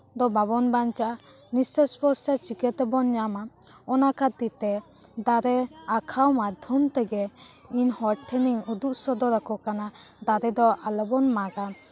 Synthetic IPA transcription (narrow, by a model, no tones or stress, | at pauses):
d̪ɔbaβɔnbant͡ʃaʔa | nisɛspɔsat͡ʃikɛt̪ɛbɔnɲamaɔnakat̪it̪ɛ | d̪aɾɛakʰawmad̪ʱjɔmt̪ɛɡɛ | inhɔɾʈʰɛniŋuɖuʔsɔd̪ɔɾakɔkanad̪aɾɛd̪ɔalɛbɔnmaɡa